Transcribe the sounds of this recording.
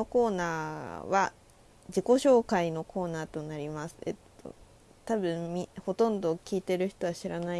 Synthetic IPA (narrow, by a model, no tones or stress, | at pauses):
oko̞ːnaːβa̰ | d͡ʑiko̞ɕo̞ːkaino̞kʰo̞ːnaːt̪o̞naɾʲimasɨ̥ḛt̪ːo̰ | t̪abɯ̟̃mmʲiho̞t̪õ̞nd̪o̞kʲiːt̪e̞ɾɯ̟çi̥t̪o̞βaɕiɾanai